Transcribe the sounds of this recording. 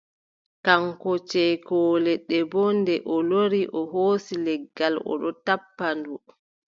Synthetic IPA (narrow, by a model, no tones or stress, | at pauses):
kaŋkɔt͡ʃɛkɔːlɛɗɛbɔndɛʔɔloɾiʔɔɦoːsilɛɡːalɔ̰ɗɔtapːandu